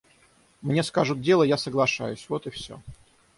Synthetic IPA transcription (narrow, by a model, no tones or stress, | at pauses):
mnʲe̞skaʐʊt̪̚dʲelˠəjasəɡlˠɐʂa̰jʊsʲvot̪ɨfsʲo̰